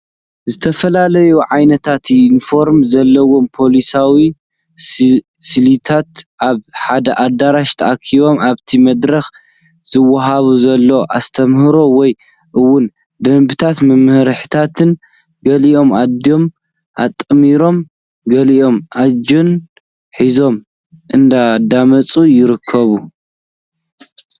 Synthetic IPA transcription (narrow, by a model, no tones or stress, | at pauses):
zɨt̪ʰɐfɐlalɐjuʕajnɐt̪ʰat̪info̞ɾmzɐlːɐwo̞mpʰo̞lisawi | silit̪ʰat̪ʔaβħad̪ɐʔad̪aɾaʃt̪ʰɐʔakʰiβo̞mʔaβt̪ʰimɐd̪ɾɐx | z̥ɨwːɐɦaβuzɐlːo̞ʔa̰st̪ʰɐmhɨɾo̞wɔj | ʔɨwːʊn | d̪ɐmbɨt̪ʰat̪mɨmhɨɾħɨt̪ʰat̪ʰɨn | ɡɐliʔo̞mad̪jo̞m | ʔat̪ʼːɨmiɾo̞m | ɡɐliʔo̞mʔad͡ʒon | ħizo̞m | ʔɨnd̪ad̪amɐt͡sʼujɪɾɨkʰːɐβu